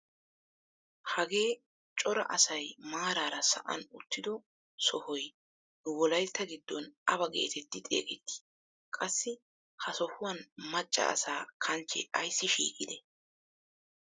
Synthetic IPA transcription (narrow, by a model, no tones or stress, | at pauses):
hɐɡe̞ː | t͡ʃʼɔɾɐ̰ʔɐsɐjmaːɾaːɾɐsɐ̰ʔɐ̰nʊ̰t̪ːɪd̪ɔ | sɔhɔj | nʊwɔlɐjt̪ːɐɡɪd̪ːɔnɐbɐɡe̞̰ːt̪ʰɛt̪ːɪt̪ʼe̞̰ːkʼɛt̪ːi̥ | kʼɐsːɪ | hɐsɔhʊwɐnmɐt͡ʃʼːɐ̰ʔɐ̰saːkʰɐnt͡ʃːɛ̰ɐjsːɪʃḭːkʼɪd̪ɛ